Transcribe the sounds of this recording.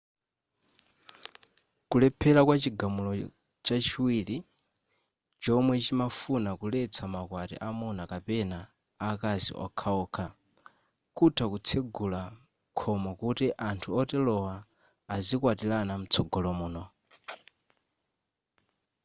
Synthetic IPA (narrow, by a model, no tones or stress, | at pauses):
kulɛpʰɛlakwat͡ʃiɡamulɔ | t͡ʃat͡ʃʰiwiːli | t͡ʃɔmwɛt͡ʃimafunakulɛt͡sʰamakwatḭʔamunakapɛnaː | kazḭʔɔ̰kʰaɔːkʰa | kutʰakut͡sʰɛɡula | kʰɔmɔkutiʔantʰuɔtɛlɔwaː | zikwatilanam̩t͡sʰɔɡɔlɔmuːnɔ